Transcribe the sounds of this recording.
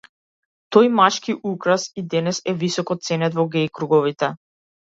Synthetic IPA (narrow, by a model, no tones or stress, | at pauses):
t̪ɔjmaʃkiʔukɾasid̪ɛnɛsɛvisɔkɔt̪̚t̪sɛnɛt̪vɔɡɛjkɾuɡɔvit̪ɛ